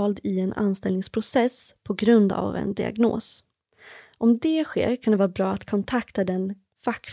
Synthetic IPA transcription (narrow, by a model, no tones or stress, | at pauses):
ɑːld̪ɪɛna̰nst̪ɛlnɪŋspʰɾʊsɛspʰɔɡɾɵnd̪a̰vɛ̰nd̪ɪa̰ɡno̰ːs | ʔɔmd̪ɛɧḛːɾkʰand̪ɛvɑːɾabɾɑːat̪kʰɔnt̪ʰakt̪ad̪ɛn | fakː